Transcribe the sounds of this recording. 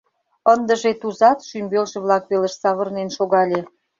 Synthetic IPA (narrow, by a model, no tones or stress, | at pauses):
ənd̪ə̆ʒet̪uzɑt̪ʃymbelʒĕβlɑk̚βelə̆ʃsɑβərnenʃoɣɑlʲe